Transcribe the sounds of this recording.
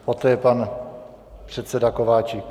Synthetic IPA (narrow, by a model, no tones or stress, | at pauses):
pot̪ɛːjɛpan | pr̝̥ɛt̪sɛdakovaːt͡ʃi